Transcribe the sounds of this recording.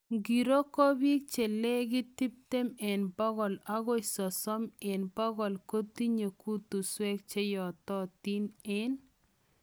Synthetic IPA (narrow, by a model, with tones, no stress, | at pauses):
ŋɡi˨ɾo˦ko˦bi˦k̚t͡ʃe˨le˦ɡi˦ti˦p̚te˦me˨nbɔ˦ɣɔ˨la˦ɣɔ˦jsɔ˨sɔ˦me˨nbɔ˦ɣɔ˨lko˦t̪i˦ɲe˨ku˦t̪u˨swe˦k̚t͡ʃe˦jɔ˨tɔ˦ti˦nɪ˦n